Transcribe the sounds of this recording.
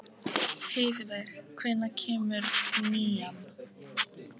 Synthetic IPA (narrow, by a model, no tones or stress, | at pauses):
hejvvɛɾ̥kʰvɪnːacʰɛːmʏɾniːan